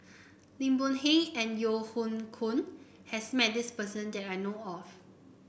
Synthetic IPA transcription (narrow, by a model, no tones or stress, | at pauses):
lĩmbɔ̃nhẽŋɛ̃njohũnkʰũn | hɛsmɛt̚dispəsə̃ndɛtajnoɔf